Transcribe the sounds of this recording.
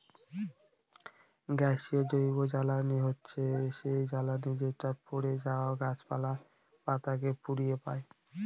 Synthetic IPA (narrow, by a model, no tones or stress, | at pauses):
ɡɛʃiod͡ʑoɾiɡod͡ʑalaniɦotːɕʰeʃejd͡ʑalanid͡ʑeʈapoɽed͡ʑaoaɡat͡ɕpa̰la | pat̪akepuɾijepae